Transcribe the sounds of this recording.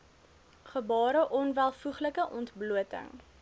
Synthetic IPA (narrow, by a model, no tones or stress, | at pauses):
χəbɑːɾəʔɔnvælˠfuχləkəʔɔntbluətə̰ŋ